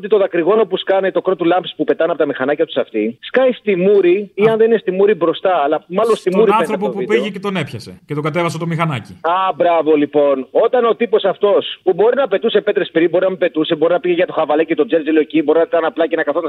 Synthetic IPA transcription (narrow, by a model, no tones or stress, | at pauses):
ot̪it̪o̞ðɐkɾiɣo̞no̞puskɐnet̪o̞kɾo̞t̪ulɐmpispupe̞t̪ɐneɐpot̪ɐmixɐnɐcɐt̪u̥sɐft̪iskɐjst̪imuɾiiɐnðe̞ninest̪imuɾibɾo̞st̪ɐːlɐmɐlo̞nst̪imuɾiɐeθɾop̬opuitpiʝecet̪onepçɐsecet̪oɡɐt̪e̞vɐsɐt̪o̞mixɐnɐciɐbɾɐvo̞lipo̞no̞t̪ɐno̞t̪ipo̞sɐft̪o̞spubo̞ɾinɐpe̞t̪use̞pe̞t̪ɾespiɾibo̞ɾinɐmepe̞t̪use̞bo̞ɾinɐpiʝeʝɐt̪o̞xɐvɐlecet̪o̞d͡zelzilo̞ecibo̞ɾinɐɐnɐplɐcenɐkɐθonɐ